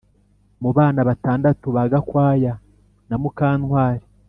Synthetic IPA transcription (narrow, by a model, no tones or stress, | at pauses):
muβaːnaβataːndatuβaɡakwaːja | namukaːnwaːɾi